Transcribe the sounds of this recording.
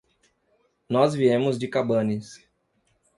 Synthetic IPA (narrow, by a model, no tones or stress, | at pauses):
nɔzviẽmʊzd͡ʒɪkabɐ̃nɪs